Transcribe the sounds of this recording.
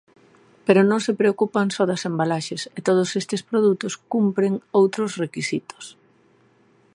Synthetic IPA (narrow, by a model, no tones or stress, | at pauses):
peɾʊnõŋsepɾeokupaŋsɔðasembalaʃeset̪oð̞ʊsest̪ɪspɾoðut̪ʊskumpɾeŋowt̪ɾʊzrekisit̪o̥s